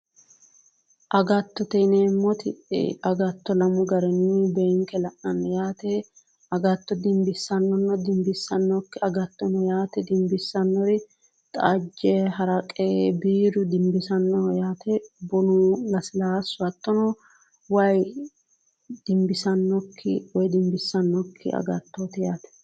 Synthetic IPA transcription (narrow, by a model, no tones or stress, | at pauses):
ʔɐɡɐt̪ːɔt̪ɛnemɔt̪ɪɛ̰ɐɡɐt̪ːɔlɐmʊɡɐɾɛnibɛŋkɛlɐʔnɐnːɛjaːt̪ɛ | ɐɡɐt̪ːɔd̪ɪmbɪsːɐnːɔnːɐd̪ɪmbɪsːɐnːɔkːɪɐɡɐt̪ːɔnɔjaːt̪ɛd̪ɪmbɪsːɐnːɔɾɪ | t̪ʼa̰ːd͡ʒːɛɦɐɾɐkʼebiːɾʊd̪ɪmbɪsɐnːɔjaːt̪ɛbɔnulɐsɪlaːsʊɐt̪ːɔnɔ | wɐj | d̪ɪmbɪsɐnːɔkʰːɪ̰wɔjd̪ɪmbɪsːɐnːɔkʰːɪ̰ɐ̰ɡɐt̪ːoːt̪ɛjaːt̪ɛ̥